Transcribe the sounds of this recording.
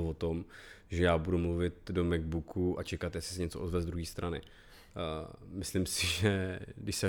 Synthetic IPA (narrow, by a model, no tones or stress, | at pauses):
vot̪om | ʒɛjaːbudumluvɪt̪̚domɛɡ̚bukʰuʔat͡ʃɛkat̪jɛslɪsɛɲɛt͡soʔozvɛzd̪ɾuɦiːst̪ɾʔanɪ̰ | mɪslimsɪʒɛdɪʃsɛ